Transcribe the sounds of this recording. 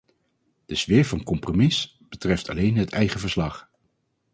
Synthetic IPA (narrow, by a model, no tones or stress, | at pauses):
d̥əz̥ʋɪːɹvɑnkɔmpromɪs | b̥ətrɛftɑ̰lejnɦətʰɛjχəvəɹslɑχ